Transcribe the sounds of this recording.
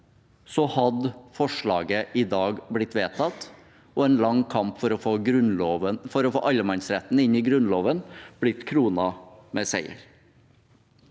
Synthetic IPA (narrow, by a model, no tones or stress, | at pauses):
sɔhɑd̪fɔʂɭɑːɡəʔɪd̪ɑːɡblɪt̪ʋeːt̪ʰɑt̪ | ɔɛːnlɑŋkʰɑmpfɔɾɔfoːɡɾʉnloːʋəfɔɾɔfo̰ːʔɑləmɑnsɾɛt̪n̩ɪnɪɡɾʉnloːʋənb̥lɪt̪kʰɾuːnɑmɛseɪə̰ɾ